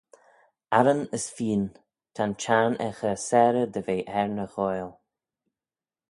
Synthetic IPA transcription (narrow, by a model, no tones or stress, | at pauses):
aɾənəsfiːn | t̪ʰant͡ʃaːnɛxəsɛːɾəd̪əveːʔɛɹnəɣɔjl